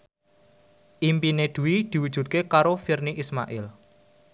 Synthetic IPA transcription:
ʔimpineɖ̪̥ṳwid̪̥i̤wud̥ʒ̥ṳt̪̚kekaɾofirniʔisma̰ʔɪl

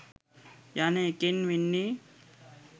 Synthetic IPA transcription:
janekenʋinːi

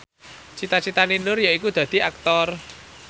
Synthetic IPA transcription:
t͡ʃit̪at͡ʃit̪aninʊrjoikud̪̥ä̤d̪̥i̤ak̚t̪ɔr

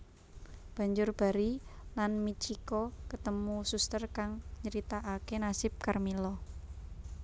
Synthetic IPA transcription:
b̥a̤ɲd͡ʒʊrb̥a̤ɾilanmit͡ʃikɔkət̪əmusust̪ərkaŋɲəɾit̪aʔakenasɪp̚karmilɔ

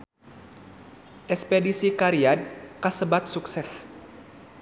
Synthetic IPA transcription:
ʔɛspedisikaɾiad̚kasəbat̪̚suksɛs

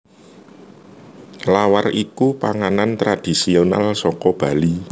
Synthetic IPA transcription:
lawarikupaŋanant̪ɾad̪̥i̤siona̰lsɔkɔb̥a̤li

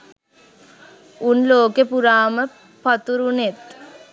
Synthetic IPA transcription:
unloːkepuɾaːmə | pat̪uɾunet̪

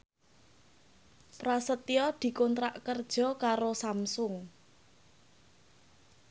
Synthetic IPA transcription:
pɾasət̪iɔd̪̥i̤kɔnt̪ɾaʔkərd̥ʒ̥ɔ̤kaɾosamsʊŋ

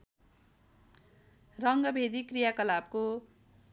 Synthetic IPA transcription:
rʌŋɡʌbʱed̪ikrijakʌlab̚ko

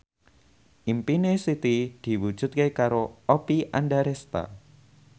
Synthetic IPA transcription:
ʔimpinesit̪id̪̥i̤wud̥ʒ̥ṳt̪̚kekaɾoopiʔanɖaɾɛst̪a̰

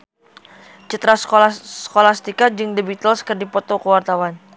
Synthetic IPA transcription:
t͡ʃət̪ɾasoskolast̪ikad͡ʒɨŋdibit̪əlskərdipɔt̪okəwart̪awan

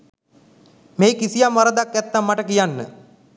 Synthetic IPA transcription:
meːkisijamʋaɾəd̪akːɛt̪ːamːaʈəkijanːə̰

